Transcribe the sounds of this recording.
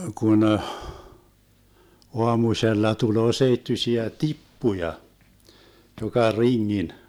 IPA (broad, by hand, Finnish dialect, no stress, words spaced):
kun əh oɑmusʲelːɑ tuloː seitːysiæ tipːujɑ jokɑ riŋːin